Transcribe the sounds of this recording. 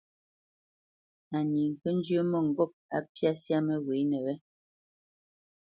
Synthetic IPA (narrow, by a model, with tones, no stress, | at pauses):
a˨ɲi˨ŋ̩˨kə˦n˦d͡ʒə˦mɔ˦˨ŋ̩˨ɡɔ˦p̚a̰˨pja˦sja˦mɛ˦ɣwe˨˦nɛ˨wɛ˦